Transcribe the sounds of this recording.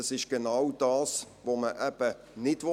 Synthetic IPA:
ɑsɪʃɡ̥ənawd̥ɑːs | voməʔɛb̥ə | nɪdʋo

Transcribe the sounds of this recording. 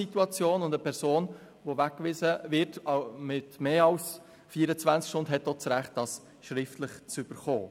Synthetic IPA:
ituɑt͡sjoːnʊndəpʰɛɾsoːn | ʋoʋækːʋɪsəvɪɾtɑmɪtmeːɑʊs | fiːəɾət͡svænt͡skʃtʊndɦɛt̚ːot͡sɾæχt̚d̥ɑːs | ʃɾɪftləχt͡sʏb̥əɾχo̰ː

